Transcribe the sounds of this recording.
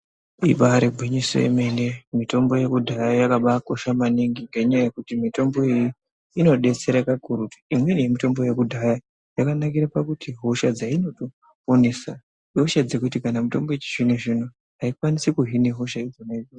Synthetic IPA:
ḭɓaɾeɡʱwiɲiso̰jḛme̞nemito̞mbo̞je̞kudʱajajakaɓako̞ʃamaniŋɡiŋɡeɲaajekutimito̞mbo̞iji | ino̞ɗe̞t͡se̞ɾakakuɾutu̥imwe̞nijemito̞mbo̞je̞kudʱaja | jakanakiɾapakutʰiɦo̞ʃad͡zaino̞to | onesa | ɦoʃad͡ze̞kutikanamito̞mboet͡ʃi̥ʐinoʐino | aikwanisikuɦine̞ɦo̞ʃaid͡zonaio

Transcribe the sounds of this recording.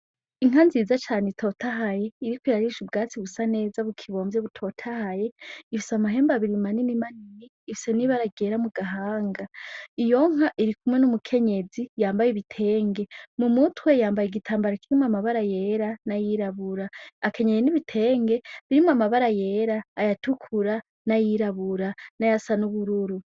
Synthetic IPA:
iŋ̥anziːzat͡ʃaːnetʰo̞ːtʰaɦaje̞iɾikwiɾaɾiʃub̚ɡaːt͡siβusane̞ːzaβukʰiβo̞ːmbjeβutʰo̞tʰahaje̞ifi̥soamaɦe̞ːmbaβiɾimaninimaniniːfisoniβaɾaɡe̞ːɾamuɡaɦaːŋɡaijo̞ŋ̥aʔiɾikumwenumukʰe̞ɲe̞d͡zijaːmbajeβitʰe̞ːŋɡe̞mumutwejaːmbajeɡitʰaːmbaɾakiɾimwamaβaɾaje̞ɾanajiɾaβuɾaːke̞ɲejeniβitʰe̞ːŋɡeβiɾimuamaβaɾaje̞ːɾaːjatukʰuɾa | najiɾaβuɾanajasanuβuɾuɾu

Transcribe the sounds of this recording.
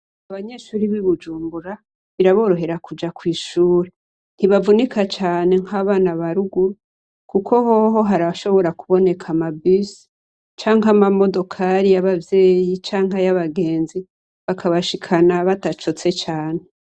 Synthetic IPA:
aβaɲe̞ːʃuːɾiβiβud͡ʒuːmbuɾa | βiɾaβo̞ːɾo̞ɦe̞ɾakud͡ʒakwiːʃuːɾe | n̥hiβavunikat͡ʃaːne̞ŋhaːβaːnaβaɾuɡuɾu | kukʰo̞ɦo̞ɦo̞ɦaɾaʃo̞βo̞ɾakuβo̞ne̞kʰamabis | t͡ʃaːŋamamo̞do̞kʰaɾijaβavje̞ːjit͡ʃaːŋɦajaβaɡe̞ːnzi | βakʰaβaʃikʰanaβatat͡ʃo̞t͡se̞t͡ʃaːne̞

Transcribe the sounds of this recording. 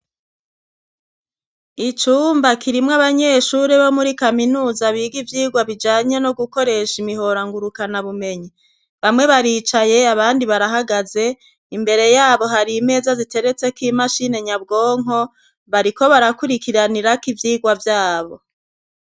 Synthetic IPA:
it͡ʃuːmbakiɾimŋaβaɲe̞ːʃuɾeβo̞muɾikaminuːzaβiːɡivjiːɡwaβid͡ʒaːɲe̞no̞ɡuko̞ɾe̞ʃimiɦo̞ɾaŋɡuɾukanaβume̞ɲi | βamŋe̞βaɾiːt͡ʃaje̞aβaːndiβaɾaɦaɡaze̞ | imbe̞ɾe̞jaːβo̞ɦaɾiːme̞ːzazite̞ɾe̞t͡se̞kimaʃine̞ɲab̚ɡo̞ːŋ̥ɦo̞ | βaɾiko̞βaɾakuɾikiɾaniɾakivjiːɡwavjaːβo̞

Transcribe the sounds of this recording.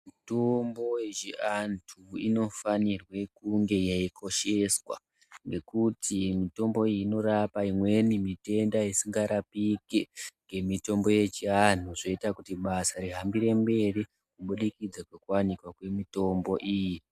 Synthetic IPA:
mitombo̞jet͡ʃiantʰuino̞fanirwe̞kuŋɡe̞jeikʰo̞ʃe̞swa̰ | ŋɡe̞kutʰimito̞mbo̞iino̞rapaimwe̞nimite̞ndaisiŋɡaɾapikeŋɡe̞mito̞mbo̞je̞t͡ʃian̤uʐoitakutiɓasaɾiɦambiɾe̞mbe̞ri | kuɓuɗikid͡zakwekuwanikwakwe̞mito̞mbo̞ʔiːji

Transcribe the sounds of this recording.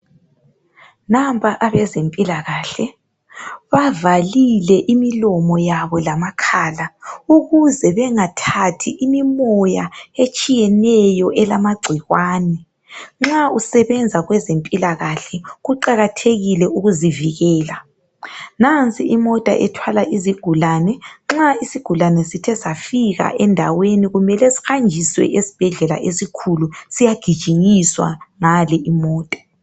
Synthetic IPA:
nampʼaʔaβɛzempʼilaɣaːɬɛ | βavalilɛʔimilɔmɔjaβɔlamakʰaːlauɣuzɛβɛŋatʰatʰiʔimimɔjaet͡ʃʼijɛnɛjɔʔɛlamaɡ͡ǀʱiɣwaːnɛ | ŋ͡ǁausɛβɛnd͡zʱaɣwɛzempʼilaɣaɬɛɣuǃaɣatʰeɣilɛuɣuziviɣɛːla | nant͡sʼiimɔtʼa̰ʔɛtʰwalaʔiziɡ̥ʱulanɛŋ͡ǁaisiɡ̥ʱulanɛsitʰɛsafiɣa̰ʔɛndʱa̰weniɣumɛlɛsi̥xand͡ʒʱiswɛ̰ʔesi̥b̥ʱɛɮɛla̰ʔesikʰulusijaɡ̥ʱi̥ʒ̥ʱiŋiswa̰ŋalɛʔimɔːtʼḁ

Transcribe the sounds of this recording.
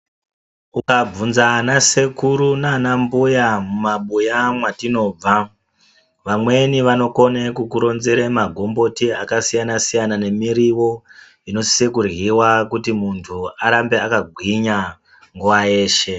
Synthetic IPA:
ukab͡vunzanase̞kuɾunanambujamumaɓujamwatino̞ːb͡va | ʋamwe̞niʋano̞ko̞nekukuɾo̞nzeɾemaɡʱo̞mbo̞tiakasijanasijanane̞miɾiwo̞ | ino̞si̥se̞kurɣiwakutimuntʰuaɾambe̞akaɡʱwiɲa | ŋɡuʋaje̞ːʃe̞

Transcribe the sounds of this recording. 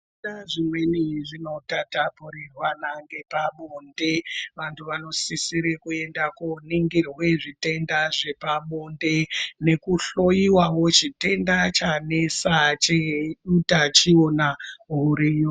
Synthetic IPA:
uɗaʐimwe̞niʐino̞tatapuɾirwanaŋɡe̞paɓonde̞ʋantʰuʋano̞sisiɾekue̞ndakoniŋɡirweʐite̞ndaʐe̞paɓonde̞ne̞kuɬo̞jiwawo̞t͡ʃite̞ndat͡ʃanesat͡ʃeutat͡ʃionaɦuɾijo

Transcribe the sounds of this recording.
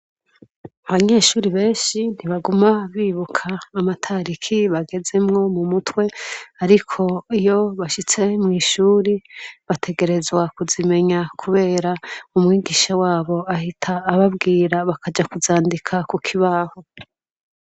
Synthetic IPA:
aβaɲe̞ːʃuːɾiβe̞ːʃin̥iβaɡumaβiːβukʰaːmatʰaɾikʰiβaɡe̞ze̞mŋo̞mumutwe̞aɾikʰo̞ijo̞βaʃit͡se̞mŋiːʃuːɾiβatʰe̞ɡe̞ɾe̞zwakuzime̞ɲakʰuβe̞ːɾaumŋiːɡiːʃawaːβo̞ahitʰaːβab̚ɡiːɾaβakad͡ʒakuzaːndikʰakukʰiβaho̞

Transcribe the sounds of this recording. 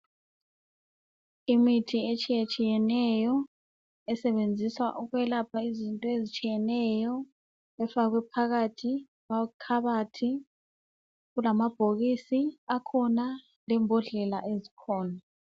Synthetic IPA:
imitʰiet͡ʃʼijet͡ʃʼijɛnɛjɔ | ɛsɛɓend͡zʱiswa̰ʔuɣwɛlapʰaizintʼɔezit͡ʃʼijɛnɛjɔ | ɛfak̬wɛpʰaɣ̬atʰi | βakʰaɓatʰi | ɣulamab̥ʱoɣisiakʰɔna | lɛmbʱɔɮɛla̰ʔezikʰɔːna

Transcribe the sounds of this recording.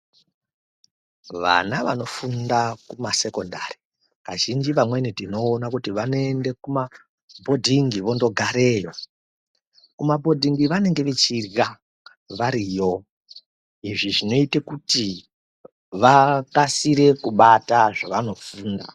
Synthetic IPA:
ʋa̰naʋano̞fundakumase̞ko̞ndari | kaʒind͡ʒiʋamwe̞nitino̞ːnakutiʋano̞endekuma | bʱo̞dʱiŋɡiʋo̞ndo̞ɡʱaɾe̞ːjo | kumabʱo̞dʱiŋɡiʋane̞ŋɡe̞ʋet͡ʃirɣa | ʋaɾijo̞ | iʐiʐino̞itekuti | ʋakasiɾe̞kuɓataʐaʋano̞fuːnda̰

